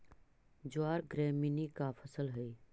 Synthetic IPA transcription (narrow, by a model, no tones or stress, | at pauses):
d͡ʒʊaːɾɡɾɛːminikafʰəsəlɦɛi